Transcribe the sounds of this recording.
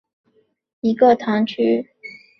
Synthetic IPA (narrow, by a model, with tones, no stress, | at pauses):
i˧˥ɡə˥˧t̪ʰɑ˧˥ŋt͡ɕʰy˥˩